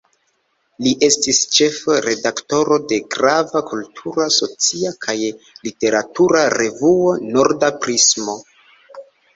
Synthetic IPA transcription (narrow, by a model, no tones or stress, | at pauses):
liʔe̞stist͡ʃe̞fɾe̞dakto̞ɾo̞de̞ɡɾavakultʰuɾaso̞t͡siakʰaj | lite̞ɾatuɾaɾe̞vuo̞no̞ɾdapɾismo̞